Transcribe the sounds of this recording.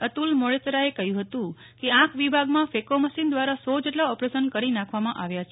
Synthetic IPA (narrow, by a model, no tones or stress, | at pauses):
ət̪ulmoɭet̪ɾaekəɦjũɦət̪ũ | keãkʰʋibʱaɡmãfekoməʃind̪ʋaɾasɔd͡ʒeʈlaɔpɾesənkəɾinãkʰʋamãʔaʋjat͡ʃʰe